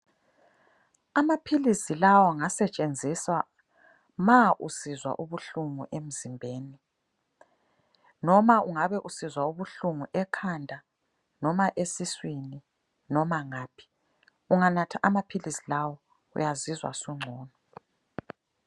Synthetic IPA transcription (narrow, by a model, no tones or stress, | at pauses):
amapʰilisilawɔŋasɛt͡ʃʼend͡zʱisa | maʔusizwa̰ʔuβuɬuŋṵʔem̩zimbʱeːni | nɔmaʔuŋaβɛʔusizwauβuɬuŋuʔɛkʰandʱa | nɔmaʔesiswini | nɔmaŋaːpʰi̥ | uŋanatʰaʔamapʰilisilawɔ | ṵjazizwa̰suŋ͡ǀʱɔːnɔ